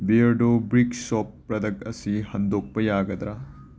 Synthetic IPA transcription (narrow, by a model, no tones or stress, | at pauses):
biɐɾɖobɾiksɔp̚ː | ɾɐd̪ɐk̚ɐsihɐnd̪ok̚pɐjaɡɐd̪ɾa